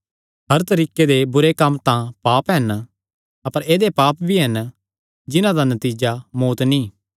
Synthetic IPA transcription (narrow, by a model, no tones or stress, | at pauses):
ɦɐɾt̪ɐɾiːked̪ebʊɾekɐmːt̪ãpaːpɦɛn | ɐpəɾeːd̪epaːpbʱiɦɐn | d͡ʒɪnãd̪anɐt̪iːd͡ʒamoːt̪nĩː